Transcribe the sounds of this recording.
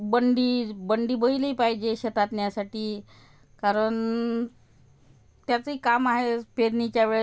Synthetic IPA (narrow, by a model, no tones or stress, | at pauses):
bəɳɖiːbəɳɖiːbəiləipaɦid͡ʑeɕet̪at̪njasaʈiː | kaɾəɳ | t̪jat͡səikamaɦepeɾnit͡ɕjaʋeɭ